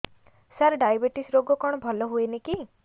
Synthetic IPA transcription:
saɾɖajbeʈisɾoɡɔkɔɽ̃ɔbʱɔlɔɦueneki

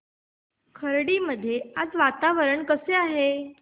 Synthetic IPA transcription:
kʰəɾɽiːməd̪ʱːjead͡zʋat̪aʋəɾəɳkəseaɦe

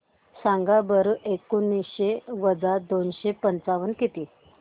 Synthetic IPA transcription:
sãŋɡabəɾʔekunːiɕeʋəd͡zad̪onɕepənt͡saʋənkit̪i

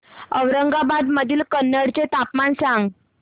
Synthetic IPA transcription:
əwɾəŋɡabad̪məd̪ʱiːlkənːəɽt͡set̪apmansãŋɡ

